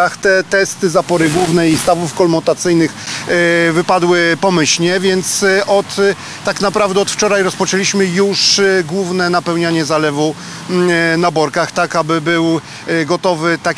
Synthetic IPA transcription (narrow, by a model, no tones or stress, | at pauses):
axt̪ɛt̪ɛst̪ɘzapɔɾɘɡwuvnɛist̪avufkɔlmɔt̪at̪sɘjnɘx | vɘpad̪wɘpɔmɘɕɲɛvʲjɛnt̪sʔɔt̪ː | aknapɾavd̪ɛɔt̪ft͡ʂɔɾajɾɔspɔt͡ʂɛlʲiɕmɘjuʂɡwuvnɛnapɛwɲaɲɛzalɛvu | nabɔɾkaxt̪akabɘbɘw | ɡɔt̪ɔvɘt̪a